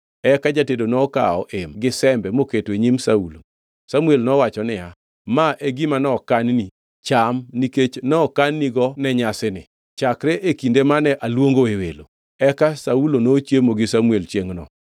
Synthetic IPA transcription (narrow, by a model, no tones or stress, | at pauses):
ɛkad͡ʒatedonɔka̰ɔ̰ʔemɡɪsɛmbɛmoketweɲimsaulo̰ | samuelnɔwat͡ʃɔnɪja | maʔeɡimanɔkanni | t͡ʃamniket͡ʃnɔkanːiɡɔnɛɲasɪnɪ̰ | t͡ʃakɾɛʔekindemanɛʔalwoŋɡoewelo | ɛkasaulonot͡ʃjemoɡɪsamuelt͡ʃeŋnɔ̰